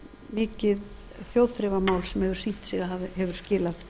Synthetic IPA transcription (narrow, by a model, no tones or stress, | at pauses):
mɪːcɪð | θjowðθɾɛvamaːwlsɛmhɛvʏɾ̥siːht̪siɣaɦavɪhɛvʏɾ̥scɪːlað